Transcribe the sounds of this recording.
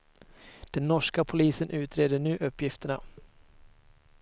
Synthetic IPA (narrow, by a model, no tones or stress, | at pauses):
d̪̥ɛnːɔʂkapʰʊliːsənʔʉ̟ːt̪ɾeːd̪əɳʉ̟ːʔɵpːjɪft̪əɳa